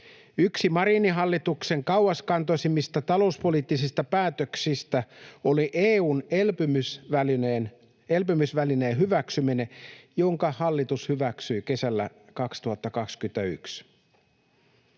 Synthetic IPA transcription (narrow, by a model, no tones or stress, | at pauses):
yksimɑɾiniɦɑlːit̪ukse̞ŋkɑwɑskɑnt̪osimist̪æt̪ɑlouspoliːt̪ːisist̪ɑpæːt̪øksist̪æoliʔeːuːnelpymysʋælineːn | elpymysʋælineːɦyʋæksyminejoŋkɑhɑlːit̪ushyʋæksyjke̞sælːæ̰ | kɑkst̪uhɑt̪ːɑkɑkskyent̪æy̰ks